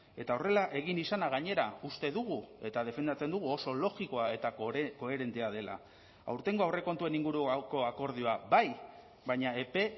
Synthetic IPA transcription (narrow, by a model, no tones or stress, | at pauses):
e̞t̪ao̞re̞laʔe̞ɣ̞inisanaɣ̞aɲe̞ɾaust̪e̞ðuɣue̞t̪að̞e̞fe̞nd̪at͡se̞nd̪uɣ̞uo̞so̞lo̞ɣiko̞ae̞t̪ako̞e̞ɾe̞nt̪eað̞e̞la̰ | a̰wɾt̪e̞ŋɡo̞awre̞ko̞nt̪ue̞niŋɡuɾuko̞ako̞ɾð̞io̞abaj | bajɲae̞pe̞